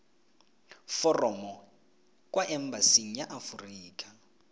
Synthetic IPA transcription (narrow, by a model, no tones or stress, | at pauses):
fɔrɔmɔ | kʼwaʔɛmbasiŋ̩jaʔafuriːkʼa